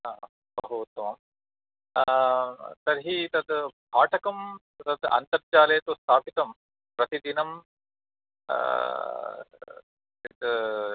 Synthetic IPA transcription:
aː | bɐɦut̪ːʋaːm | sɐɾɦit̪ɐd̪bʱaːʈʰɐkɐm | t̪ɐd̪ɐ̰nt̪ɐɾt͡ʃaːleːt̪ust̪ʰaːpit̪ɐm | pɾɐt̪id̪inɐm | it̪

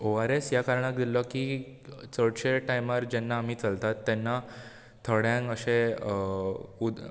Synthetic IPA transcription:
oaɾesjakaɾɳak̚d̪ilɔkiːt͡səɽɕeʈajmaɾd͡ʑɛnːaːm̤iːt͡səlt̪at̪ːɛnːa | t̪ʰəɽjãŋkəɕẽ | ud̪

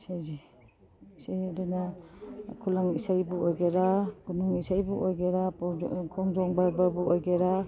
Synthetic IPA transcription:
sajzi | sejdena | kʰulaŋisajbuojɡeɾaɡ̥unuŋisajbuʔojɡeɾakʰɔŋzɔŋbaɾbaɾbuojɡeɾa

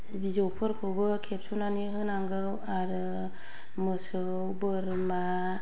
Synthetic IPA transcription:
bizowpʰɯɾkʰowbɯkʰep̚sonaniɦɯnaŋɡɯw | aɾɯ | məsɯ | wbəɾma

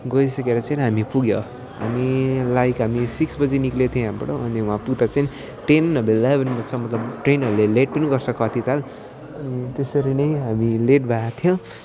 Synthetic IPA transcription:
ɡʌjsʌkeɾʌt͡sʌinɦamipuɡjo | ɦa̰milajkɦamisiksbʌd͡ziniklet̪ʰiẽɦambʌɽoʌniũãpuɡd̪at͡sʌjn | ʈenːʌbellajbʱʌnmat͡sʰʌmʌt̪lʌbʈrenʌɾuleleʈ̚pʌniɡʌrsʰʌkʰʌt̪ʰit̪ʰal | ʌnit̪esʌɾinʌjɦamileʈ̚bʱat̪ʰjõ

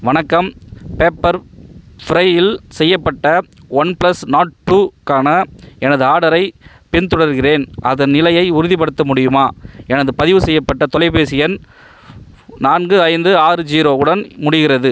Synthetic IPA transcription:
ʋɐɳɐkːɐmpeːpːɐɾfɾɐɪɪlsɛjːɐpːɐʈːɐʋɐnplɐsnaːʈʈːuːkaːnɐɛnɐðɯaːɽɐɾɐɪ | pɪnt̪ɔɽɐɾɣɪreːnʔɐðɐnnɪlɐjɐɪʊɾʊðɪip̬ɐɽɯt̪ːɐmʊɽɪjɯmaːɛnɐðɯpɐðɪʋɯsɛjːɐpːɐʈːɐt̪ɔlɐɪpeːsɪjɐn | naːnɡɯɐɪnd̪ɯaːɾɯd͡ʒiːɾoːɯɽɐnmʊɽɪɣɪɾɐðɯ

